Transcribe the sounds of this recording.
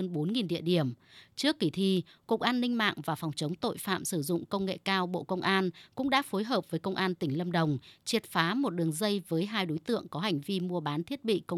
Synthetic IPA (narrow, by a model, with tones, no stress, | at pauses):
ə˧nɓo˨˦nŋi˨˩nɗḭ˧˨əɗi˧˩əmt͡ɕɨ˦˥əkːi˧˩t̪ʰi˧˩ku˨˩k̚ʔaː˧nːï˧ŋ̟ma̰ː˧˨ŋvaː˨˩fwŋ͡mt͡ɕə˨˦wŋ͡mt̪o̰˧˨jfa̰ː˧˨msɨ˧˩zʊ̰˧˨ŋ͡mkə˧wŋ͡mŋḛ˧˨kaː˧wɓo̰˧˨kə˧wŋ͡mʔaː˧nkʊ̰˧˥ŋ͡mɗa̰ː˧˥fo˨˦jɦəː˨˩p̚v̥əː˨˦jkə˧wŋ͡mʔaː˧nt̪ï˧˩ŋlə˧mɗə˨˩wŋ͡mt͡ɕi˨˩ət̚faː˨˦mo˨˩t̚ɗɨ˨˩əŋzə˧jvəː˨˦jɦaː˧jɗo˨˦jt̪ɨ̰˧˨əŋkɔ˨˦ɦa˨˩jŋ̟vi˧mu˧əɓaː˨˦nt̪ʰi˦˥ət̚ɓḭ˧˨kə˧w